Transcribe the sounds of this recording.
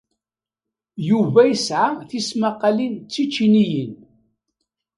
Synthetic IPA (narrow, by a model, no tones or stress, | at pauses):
juvæjəsʕaθismaqːɑlint͡sːit͡ʃːinijən